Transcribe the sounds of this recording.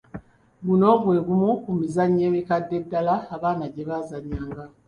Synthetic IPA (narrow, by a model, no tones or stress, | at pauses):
buno̞ːβwe̞ːβumukumizaɲːeːmikadːe̞dːalaːβaːnaɟeβazaɲːaːŋɡa